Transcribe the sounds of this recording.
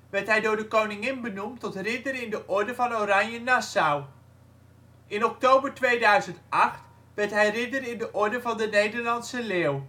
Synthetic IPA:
ʋɛɹtɦɛjdʊːɹdəkownɪŋɪnbənumtɔtrɪdərɪndəʔɔɹdəvɑnoɾɑɲjənasaw | ʔɪnɔk̚towbəɹtʋejdœɥzəntɑχt | ʋɛɹtɦɛjrɪdərɪndəʔɔɹdəvɑndənejdəɹlɑnsəleːw

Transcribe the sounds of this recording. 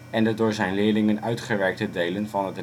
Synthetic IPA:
ɛndədʊːɹzɛjnlɪːɹlɪŋənœɥtχəʋɛɹk̚tədejlənvɑnɦət

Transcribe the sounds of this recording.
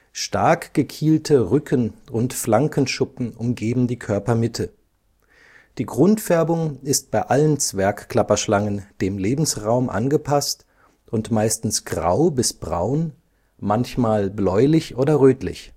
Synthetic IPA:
ʃtaɐkɡ̥əkʰiːltʰəʁʏkʰənʊntflaŋkənʃʊpm̩ʔʊmɡeːbm̩diːkʰœɐpɐmɪtʰə | d̥iːɡʁʊntfɛɐbʊŋɪst̚b̥aɪʔalənt͡sv̥ɛɐkkl̥apɐʃlaŋənd̥eːmleːbm̩sʁaʊmʔa̰nɡəpʰast | ʊntmaɪstn̩sɡ̥ʁa̰ʊbɪsb̥ʁa̰ʊn | mançmaːlblɔʏlɪçʔoːdɐʁøːtlɪ̰ç

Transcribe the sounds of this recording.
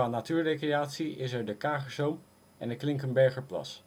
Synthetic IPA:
aːnatyːɹrejkrejaːtsiɪsɛɹdəkaːχəsowm | ʔɛ̰nətklɪŋkənbɛɹχəɹplɑ̰s

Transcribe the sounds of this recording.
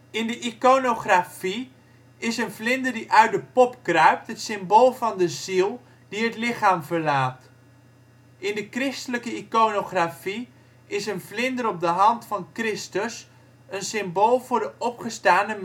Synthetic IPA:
ɪndəʔikonoχrafi | ɪsənvlɪndəɹdiʔœɥt̚dəpɔpkrœɥp̚tɦətsɪmboːlˠvɑndəzilˠ | d̥iɦətlɪχaːmvəɹlaːt | ʔɪndəkrɪstələkəikonoχrafi | ɪsənvlɪndəɾɔp̚dəɦɑntfɑnkrɪstəs | ənsɪmboːlˠvʊːɹdəʔɔpχəstaːnəm

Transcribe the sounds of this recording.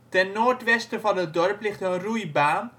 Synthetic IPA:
tɛnːoːrtʋɛstəvɑnɦət̚dɔrplɪχtənrujbaːn

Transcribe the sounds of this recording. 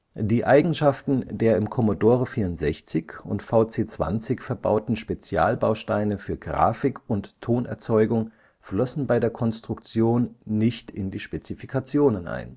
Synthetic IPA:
d̥iːʔaɪɡŋ̩ʃaftn̩deːɐɪmkʰɔmodoːʁəfiːɐʊntz̥ɛçt͡sɪçʊ̰ntfaʊt͡seːt͡sv̥a̰nt͡sɪçfɛɐba̰ʊtn̩ʃpet͡sja̰ːlbaʊʃtaɪnəfyːɐɡʁa̰ːfɪkʊnttʰːoːnɛ̰ɐt͡sɔʏɡʊŋ | flɔsn̩baɪdeːɐkʰɔnstʁ̥ʊkt͡sjoːnːɪçtɪ̰ndiːʃpet͡sifikʰat͡sjoːnənʔa̰ɪn

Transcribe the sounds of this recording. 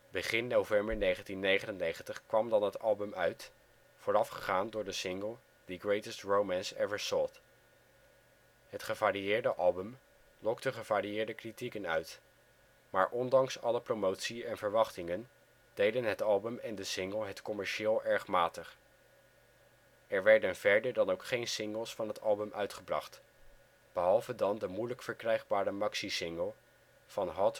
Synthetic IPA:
bəχɪnːowvɛmbəɹnejχəntinːejχənənejχəntəχkʋɑmdɑnɦətɑlˠbəmœɥt | foːɹɑfχəχaːndʊːɹdəsɪŋɡəlˠ | dəɡɹejtəstɹowmænsɛvəɹsɔt | ɦətχəvaːɾiɪːɹdəʔɑlˠbəm | lɔk̚təχəv̥aːɾiɪːɹdəkritikənœɥt | maːɹʔɔndɑŋsɑləprowmowtsiɛnvəɹʋɑχtɪŋən | d̥ejdənɦətɑlˠbəmɛndəsɪŋɡəlˠɦətkɔmɛɹʃɪːlˠɛɹχmaːtəχ | ɛɹʋɛɹdənv̥ɛɹdəɹdɑnowkχejnsɪŋɡəlˠsfɑnɦətɑlˠbəmʔœɥtχəbrɑ̰χt | b̥əɦɑlˠvədɑndəmujləkfəɹkrɛjχbaːɾəmɑksisɪŋɡəlˠ | v̥ɑnɦɑt

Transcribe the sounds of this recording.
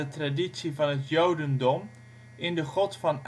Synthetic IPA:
ətraditsivɑnɦətjowdəndɔm | ɪndəχɔtfɑn

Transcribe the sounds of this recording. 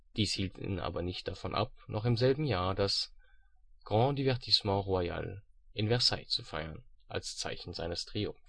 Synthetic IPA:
d̥iːshiːltʰḭːnʔa̰ːbɐnɪçt̚d̥afɔnʔa̰p̚nʔɔχɪmzɛlbm̩jaːɐdas | ɡ̥ʁɑ̃ːdivɛʁtʰismɑ̃ːʁuaja̰ːl | ʔɪnvɛʁsaɪt͡sufaɪɐnʔa̰lst͡sa̰ɪçn̩zaɪnəstʁ̥iːo̰

